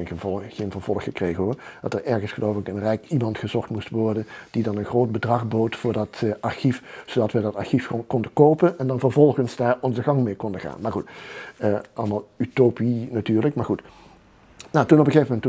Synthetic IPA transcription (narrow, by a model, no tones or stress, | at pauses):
ɪnənvɔlːeːnvənv̥ɔlˠəxəkrejɣənɦoːɹd̥ɑtərɛɹɣənsχəlowvɪkənrɛjkimɑntχəzɔχtmustʋɔɹdənd̥idɑnənχroːt̚bədrɑχboːtfʊːɹdɑtɑɹxifsodɑtʋədɑtɑɹxifkɔndəkowpənɛndɑnvəɹvɔlˠχənzdaːɹɔnzəɣɑŋmeːkɔndəχa̰ːnmaːɹχutəʔɑlˠəmaːlˠytoːpinatyːɹləkmaːɹχut | natunɔp̬əɣejvəmɛntu